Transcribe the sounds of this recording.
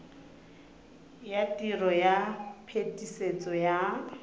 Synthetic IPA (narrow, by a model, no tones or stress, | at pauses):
jatʼirɔjapʰetʼiset͡sʼɔja